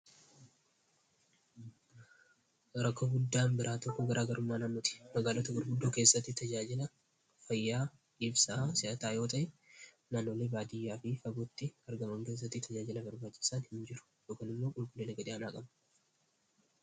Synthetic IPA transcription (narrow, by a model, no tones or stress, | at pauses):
ɾɐkːoɡʊd̪ːaːmbɪɾʔaːt̪ɔkːɔɡɐɾʔaːɡɐɾʔʊmːaːnaːnːɔt̪ɪ̥mɐɡaːlɔt̪ɐɡʊɾɡʊd̪ːoːke̞ːsːɐt̪ːɪt̪ɐd͡ʒaːd͡ʒɪlɐ | fɐjːaː | ᶑɪbsaːsɪʔɐt̪aːjo̞ːt̪ɐʔɛ | naːnːo̞ːle̞ːbaːd̪ɪjːaːfɪfɐɡɔt̪ːɪɐɾɡɐmɐŋke̞ːs̬ːɐt̪ːɪt̪ʰɐd͡ʒaːd͡ʒɪlɐbɐɾbaːt͡ʃːɪ̥saːnhɪmd͡ʒɪɾʊ̥jo̞ːkaːnɪmːo̞ːɡʊlɡʼʊlːenɐɡɐd̪ɪɐnaːkʼɐm